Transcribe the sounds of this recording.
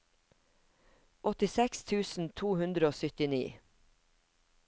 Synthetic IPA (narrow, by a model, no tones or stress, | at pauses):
ʔɔt̪ɪsɛkst̪ʰʉːsn̩t̪ʰuːhʉnd̪ɾəoːsʏt̪ɪnḭː